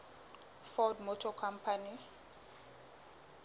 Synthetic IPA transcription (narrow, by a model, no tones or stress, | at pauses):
fɔdmɔtʰɔkʰam̩pʰani